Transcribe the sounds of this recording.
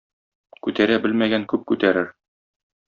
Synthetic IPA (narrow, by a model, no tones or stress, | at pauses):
kʉt̪æɾæbɘlmæɡæŋkʉp̚kʉt̪æɾɘɾ